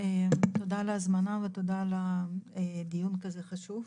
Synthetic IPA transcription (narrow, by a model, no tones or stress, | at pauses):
et̪od̪alazmanavet̪od̪ala | d̪ijunkazeχaʃuv